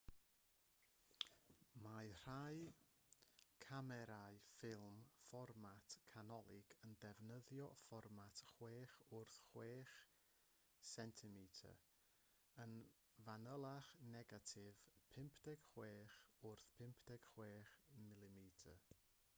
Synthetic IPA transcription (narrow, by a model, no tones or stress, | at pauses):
majr̥aj | kʰamɛɾaɨfɪlˠmfɔrmatʰkʰanɔlˠɪɡəndɛvnəðjɔfɔrmatʰχweːχʊrθχweːχ | sɛntʰɪmitʰə̰ | ən | vanəlˠaχnɛɡatʰɪvpʰɪmpʰdɛɡ̥χweːχʊrθpʰɪmpʰd̥ɛɡ̥χweːχmɪlˠɪmitʰə̰